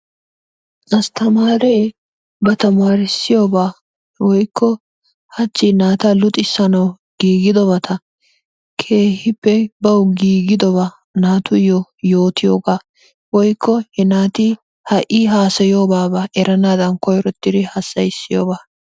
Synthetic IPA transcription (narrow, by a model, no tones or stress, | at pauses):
ʔɐst̪ʰɐmaːɾeː | bɐt̪ɐmaːɾɪsːɪjo̞ːbaː | wɔjkʰːɔ | hɐt͡ʃːɪnaːt̪ɐlʊt̪ʼɪsːɐnɐw | ɡ̥iːɡɪd̪ɔbɐt̪ʰɐ | kʰe̞ːhɪpːɛbɐwɡiːɡɪd̪ɔbaː | naːt̪ʊjɔjo̞ːt̪ɪjoːɡaː | wɔjkʰːɔhɛnaːt̪i | hɐʔiɦaːsɐjo̞ːbaːbɐʔɛɾɐnaːd̪ɐnkɔjɾɔt̪ːɪd̪ɪhɐsːɐjɪsːɪjo̰ːbaː